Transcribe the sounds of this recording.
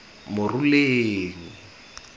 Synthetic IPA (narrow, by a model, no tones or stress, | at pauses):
mʊruleːŋ̩